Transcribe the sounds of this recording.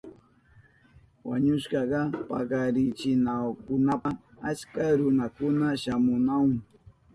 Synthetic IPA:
wa̰ɲʊʃɢɑɢɑpɑ̰ɢɑɾɪt͡ʃɪnawkʊnapa | at͡ʃkaɾʊnakʊnaʃamʊnawŋ

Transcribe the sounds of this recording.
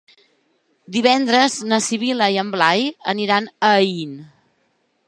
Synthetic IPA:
d̪iβɛnd̪ɾəznəsiβ̞iləiəmblajə̰niɾanəin

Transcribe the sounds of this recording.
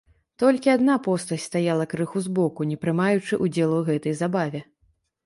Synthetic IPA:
t̪ɔlʲkʲiad̪napɔst̪ɐsʲtʲst̪ajalˠɐkɾɨxuzbɔkunʲɛpɾɨmajut͡ʂɨʔud͡zʲɛlˠuɣɛt̪ɐjzabavʲɛ

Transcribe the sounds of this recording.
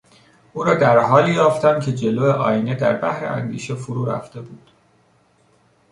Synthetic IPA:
ʔuːɾɒːd̪æɾɦɒːliːjɒːft̪ænd̪̚cʰe̞d͡ʒe̞loːeʔɒ̰ːjine̞d̪æ̰ɾbæhɾḛʔæ̰nd̪ḭːʃe̞foɾuːɾæ̰ft̪e̞buːd̪̥

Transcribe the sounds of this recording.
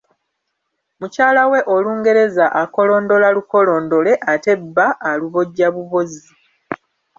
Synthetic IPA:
mucaːlawe̞ʔoluːŋɡe̞ɾe̞zaʔako̞lo̞ːndo̞laluko̞lo̞ːndo̞le̞ʔate̞bːaʔːluβo̞ɟaβuβo̞zi

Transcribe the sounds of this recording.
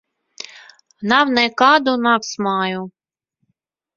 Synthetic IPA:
nawnɛkaːd̪unaːksmɑːju

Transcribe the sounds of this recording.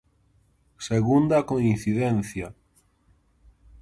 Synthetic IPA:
seɣund̪akoĩn̟θiðen̟θja

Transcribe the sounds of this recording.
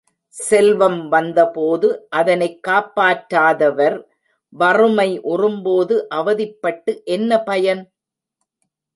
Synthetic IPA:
sɛlʋɐmʋɐnd̪ɐpoːðɯʔɐðɐnɐɪkːaːpːaːʈɾaːðɐʋɐɾ | ʋɐrɯmɐɪʔʊrɯmboːðɯʔɐʋɐðɪpːɐʈːɯʔɛnːɐpɐjɐn

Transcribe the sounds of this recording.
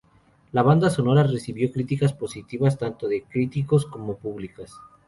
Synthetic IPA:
laβ̞and̪aso̞no̞ɾare̞siβjo̞kɾit̪ikaspo̞sit̪iβast̪ant̪o̞ðekɾit̪iko̞sko̞mo̞puβlikas

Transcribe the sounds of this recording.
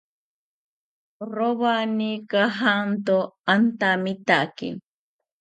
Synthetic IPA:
roβanikaɦant̪oant̪amit̪aʔkḭ

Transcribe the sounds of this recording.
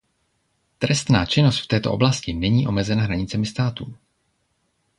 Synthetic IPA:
t̪ɾɛst̪naːt͡ʃɪnost̪ft̪ɛːt̪o̞ʔo̞blascɪnɛɲiːʔo̞mɛzɛnaɦɾaɲɪt͡sɛmɪst̪aːt̪uː

